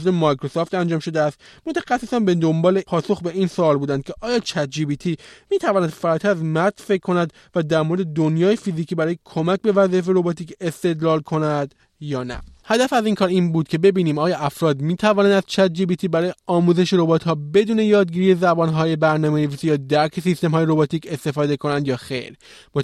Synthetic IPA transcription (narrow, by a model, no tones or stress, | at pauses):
zemɒjkʰɾosɔːft̪ænd͡ʒɒːmʃo̞d̪eæst̪mo̞t̪ʰæxæsːesɒnbed̪o̞mbɒːle̞pʰɒːso̞xbe̞iːnsoɒːlbuːd̪ænd̪̥kcʰe̞ʔɒːjɒːt͡ʃʰæt̪̚d͡ʒibit̪ʰimiːt̪ʰævɒːnæd̪̥fæɾɒːt̪ʰæɾæzmæɾt̪fe̞ckʰːo̞næd̪ | væd̪æɾmoɾe̞d̪e̞d̪onjɒːjefiziːcʰiːbæɾɒːjekʰo̞mæcbe̞væzief̬eɾo̞bɒːt̪ʰiːce̞st̪e̞d̪lɒːlkʰo̞næd̪ | jɒːnæ̰hæd̪æfæziːŋkʰɒːɾiːnbuːd̪̥̚cʰe̞be̞biːniːmɒːjɒːʔæfɾɒːd̪miːt̪ʰævɒːnænd̪æzt͡ʃʰæt̪̚d͡ʒiːbiːt̪ʰiːbæɾɒːjeɒːmuːze̞ʃeɾo̞bɒːt̪hɒːbe̞d̪uːne̞jɒːd̪ɟiːɾijezæbɒːnɦɒːje̞bæɾnɒːmejevisijɒːd̪æɾkʰesist̪e̞mɦɒːjeɾo̞bɒt̪ʰiːcʰe̞st̪e̞fɒːd̪e̞kʰo̞nænd̪jɒːxḛjɾ | mo